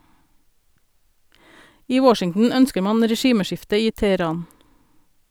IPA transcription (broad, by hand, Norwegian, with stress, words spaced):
ˈiː ˈwɔʃɪŋn̩ ˈœnskəɾ ˈmɑn ɾɛˈʃiːməˌʃɪftə ˈiː tɛəˈɾɑːn